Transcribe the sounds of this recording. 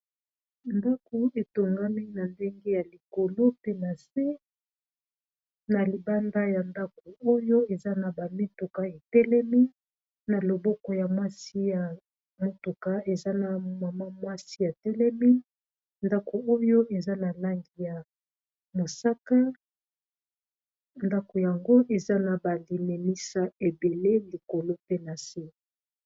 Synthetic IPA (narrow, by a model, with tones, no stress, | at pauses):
nda˦ko˨e˨to˨ŋɡa˦mi˦na˨nde˦ŋɡe˦ja˨li˨ko˨lo˦pe˦na˨se˦ | na˨li˨ba˦nda˦ja˨nda˦ko˨o˦jo˦e˨za˦na˨ba˨me˦to˨ka˦e˨tɛ˦lɛ˦mi˦ | na˨lo˨bɔ˦kɔ˨ja˨mwa˦si˦ja˨ | mo˨tu˨ka˦e˨za˦na˨ma˨ma˦mwa˦si˦ja˨tɛ˦lɛ˦mi˦ | nda˦ko˨o˦jo˦ʔe˨za˦na˨la˦ŋɡi˨ja˨ | mo˨sa˦ka˦ | nda˦ko˨ja˨ŋɡo˦ʔe˨za˦na˨ba˨li˨me˨mi˦sa˦e˨be˨le˦li˨ko˨lo˦pe˦na˨si˦˨